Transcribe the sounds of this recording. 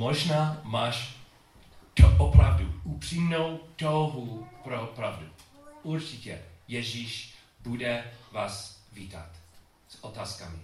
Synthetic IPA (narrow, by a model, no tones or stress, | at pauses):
moʒnaːmaːʃ | toʔopɾa̰vduupr̝̥imnowt̪owɦupɾopɾavduʔuɾt͡ʃɪcɛ̰jɛʒiːʃ | budɛvaːsviːt̪a̰t̪ | sot̪aːskamɪ̰